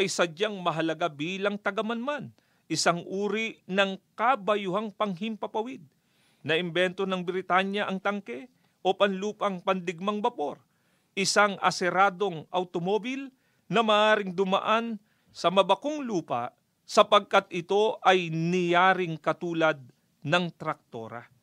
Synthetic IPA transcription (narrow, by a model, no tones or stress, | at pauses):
ʔɐjsɐd͡ʒaŋmɐɦɐlɐɡabiːlɐŋt̪ɐɡɐmɐnman | ʔɪsaŋʔuːɾiʔnɐŋkabɐjʊɦaŋpɐŋɦɪmpɐpɐwɪd̪̚ | nɐʔɪmbɛnt̪o̞nɐŋbɪɾɪt̪anjɐʔɐŋt̪ɐŋkɛ | ʔopɐnluːpɐŋpɐnd̪ɪɡ̚maŋbɐpo̞ɾ | ʔɪsaŋɐ̰sɛɾaːd̪o̞ŋʔɐwt̪omoːbɪl | nɐmɐːʔaːɾɪŋd̪ʊma̰ʔan | sɐmɐbɐko̞ŋluːpɐ̰ | sɐpɐɡ̚kat̪̚ɪt̪o̞ʔɐjnɪjaːɾɪŋkɐt̪uːlɐd̪̚ | nɐŋt̪ɾɐk̚t̪o̞̰ːɾɐ̰